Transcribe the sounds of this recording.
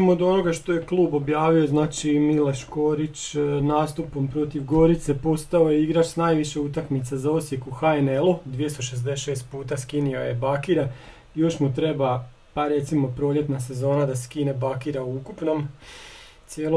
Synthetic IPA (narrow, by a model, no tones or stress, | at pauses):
imod̪o̞no̞ɡaʃt̪o̞je̞klˠuːbo̞bjaːʋio̞znaːt͡ʃimileʃko̞ɾit͡ʃnaːst̪upo̞mpɾo̞t̪iʋɡo̞ɾit̪se̞po̞st̪ao̞jeiɡɾat͡ʃsnaːjʋiʃeut̪akmit̪sazao̞sje̞kuxaene̞lud̪ʋijest̪oʃezd̪eʃe̞ːst̪̚puːt̪askiniojebakiɾa | jo̞ʃmut̪ɾe̞ba | paɾe̞t̪simo̞pɾo̞ːʎe̞t̪nase̞zo̞ːnad̪askine̞bakiɾauukupno̞m | t̪sʲjeːlo